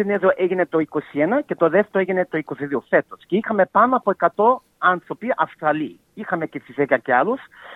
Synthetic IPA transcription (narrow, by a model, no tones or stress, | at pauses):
ineðoʔeʝinet̪o̞iko̞sienɐce̞t̪oðeft̪eoeʝinet̪o̞iko̞siðiofe̞t̪o̞sceixɐme̞pɐnoɐpoe̞kɐt̪o̞ | ɐnθɾo̞piʔɐst̪ɾɐli | ixɐme̞cesizekɐceɐlus